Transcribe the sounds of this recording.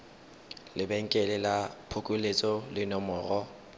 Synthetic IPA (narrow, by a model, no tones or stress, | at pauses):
lɪbɛŋ̩kʼɛlɪlapʰʊkʼʊlet͡sʼɔlɪnɔmɔːrɔ